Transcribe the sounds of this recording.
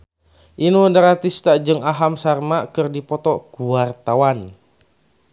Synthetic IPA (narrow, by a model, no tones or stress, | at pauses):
ʔinudaɾat̪ist̪ad͡ʒɨŋaɦamsarmakɨrdipɔt̪ɔkuart̪awan